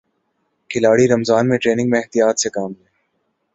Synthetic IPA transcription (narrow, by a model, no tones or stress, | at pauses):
kʰɪlaːɽiɾɐmzaːnmẽʈɾeːnɪ̃ŋɡmẽɛɦht̪ijaːt̪sekaːmlẽː